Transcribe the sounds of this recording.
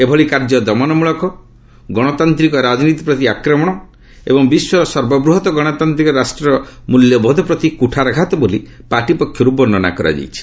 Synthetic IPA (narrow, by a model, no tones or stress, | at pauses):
ebʱɔɭikaɾd͡ʒɔd̪ɔmanɔmuɭɔkɔ | ɡɔɽ̃ɔt̪ant̪ɾikɔɾad͡ʒnit̪i̥pɾɔt̪iakɾɔmɔɽ̃ɔ | ḛbɔŋbiswɔɾɔsɔɾbɔbɾuɦɔt̪ɔɡɔɽ̃ɔt̪ant̪ɾikɔɾasʈɾɔɾɔmuljɔbʱɔd̪ʱɔpɾɔt̪ikuʈʰaɾɔɡʱat̪ɔboli | paʈipɔkʰːjɔɾubɔnːɔna̰kɔɾa̰d͡ʒḛjt͡ʃʰi̥